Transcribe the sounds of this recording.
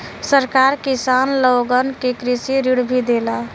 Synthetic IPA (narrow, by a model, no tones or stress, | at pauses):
səɾkaɾkisanlɔɡənkekɾisiɾiɽbʱid̪ela